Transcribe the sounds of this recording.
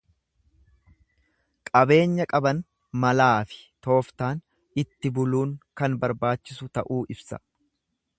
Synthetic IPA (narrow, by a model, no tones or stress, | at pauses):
kʼɐbe̞ːɲːɐkʼɐbɐn | mɐlaːfɪ̥t̪o̞ːft̪aːn | ɪt̪ːɪbʊluːŋkɐnbɐɾbaːt͡ʃːɪsʊt̪ɐʔuːʔɪbsɐ̥̰